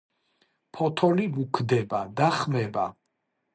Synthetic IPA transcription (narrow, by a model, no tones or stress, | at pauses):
pʰɔt̪ʰɔlimukʰd̪ɛbad̪aχmɛba